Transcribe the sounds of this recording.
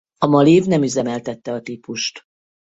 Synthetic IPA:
ɒmɒliːvnɛmyzɛmɛlt̪ɛt̪ːɛɒt̪iːpuʃt̪

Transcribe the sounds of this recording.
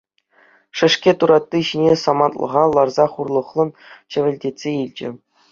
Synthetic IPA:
ʂɘ̆ʂkʲet̪uɾɑt̪ʲːiɕinʲesɑmɑnt̪lˠɤ̰̆ʁɑlˠɑrzɑχurlˠɤ̆χlˠɤ̆nt͡ɕɘ̆ʋʲɘ̆lʲdʲetʲsʲeilʲd͡ʑɘ̰̆

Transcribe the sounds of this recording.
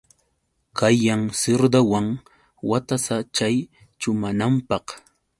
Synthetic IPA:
kajːaŋsɪɾd̪awaŋ | wat̪asat͡ʃaj | t͡ʃʊmanampɑq

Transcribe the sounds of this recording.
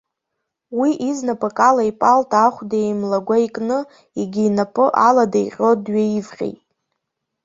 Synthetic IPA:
wiʔiznapʼakʼalaipʼaltʰaχʷdejmlaɡʷaikʼnɨ | iɡʲiinapʼɨʔaladaḭqʲʼo̞dɥeivχʲḛjtʼ

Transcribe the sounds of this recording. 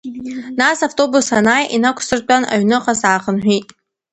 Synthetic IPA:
naːsaftʼobusanaːjʔinakʷʰsɨrtʷʼana̰ɥnɨqʼasaːχənħʷᶣiːtʼ

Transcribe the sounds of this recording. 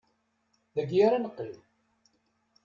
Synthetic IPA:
ðəɡjaɾanəqːil

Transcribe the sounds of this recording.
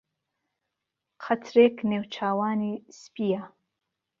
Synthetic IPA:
qʰatʰɾekʰnewt͡ʃʰaːwaːnispija

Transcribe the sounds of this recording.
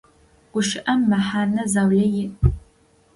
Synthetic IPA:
ɡ̥ʷʊʃɪʔɐmːɐħaːnɐzaːwɮɐjɪ

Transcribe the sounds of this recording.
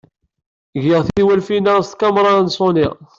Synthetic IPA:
ʝɪʁθiwælfinaɾst̪kɑmɾˤɑnsˤoniʁ

